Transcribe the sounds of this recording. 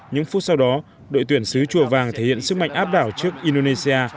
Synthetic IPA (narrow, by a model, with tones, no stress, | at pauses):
ɲɨ̰˧˥ŋfu˦˥t̚sa˧wɗɔ˨˦ | ɗo̰˧˨t̪wi˧˩ənsɨ˨˦t͡ɕu˧˩əvaː˨˩ŋt̪ʰe˧˩hḭ˧˨ənsɨ˦˥k̚ma̰˧˨jŋ̟ʔaː˦˥p̚ɗaː˧˩wt͡ɕɨ˦˥ək̚ʔi˧nɗo˧ne˧si˧aː˧